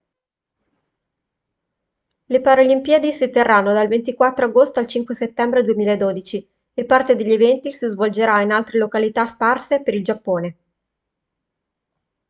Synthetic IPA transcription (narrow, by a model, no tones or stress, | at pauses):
lepaɾolimpjad̪isit̪ːerːanːod̪alvent̪ikwat̪ːɾoaɡost̪oalt͡ʃiŋkweset̪ːɛmbɾed̪uemiːlaed̪oːd̪it͡ʃi | epːart̪ed̪eʎːevɛnt̪isizvold͡ʒeɾainalt̪ɾelokalit̪asparsepeɾild͡ʒapːoːne